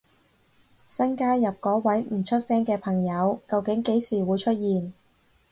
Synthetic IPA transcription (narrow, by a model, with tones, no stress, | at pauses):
sɐ˥nkaː˥jɐ˨p̚kɔː˨˥wɐ˨˥jm̩˨˩t͡ʃʰɵ˥t̚sɛː˥ŋkɛː˧pʰɐ˨˩ŋjɐ˨˧wkɐ˧wkɪ˨˥ŋke˨˥jsiː˨˩wuː˨˧jt͡ʃʰɵ˥t̚jiː˨n